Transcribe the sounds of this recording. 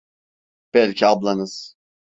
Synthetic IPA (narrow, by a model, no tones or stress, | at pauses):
b̥ɛlʲcʰiablˠanɯz̥